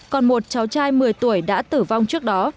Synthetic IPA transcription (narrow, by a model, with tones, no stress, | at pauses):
kɔ˨˩nmo˨˩t̚t͡ɕa˨˦wt͡ɕaː˧jmɨ˨˩əjt̪u˧˩əjɗa̰ː˧˥t̪ɨ˧˩va˧wŋ͡mt͡ɕɨ˦˥ək̚ɗɔ˨˦